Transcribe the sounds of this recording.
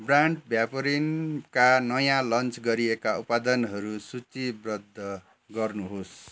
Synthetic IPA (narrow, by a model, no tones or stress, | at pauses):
braɳʈbʱjapoɾinkanʌjãlʌnt͡sɡʌɾiekaupad̪ʌnɦʌɾusut͡sibrʌd̪ʱːʌ | ɡʌrnuɦos